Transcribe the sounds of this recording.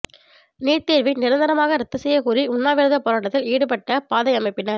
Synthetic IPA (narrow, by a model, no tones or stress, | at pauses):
niːɾt̪eːɾʋinɪɾɐnd̪ɐɾɐmaːɣɐɾɐt̪ːɯsɛjːɐkuːɾiʊnːaːʋɪɾɐðɐpːɔɾaːʈːɐt̪ːɪliːɽɯpɐʈːɐpaːðɐɪjɐmɐɪpːɪnɐɾ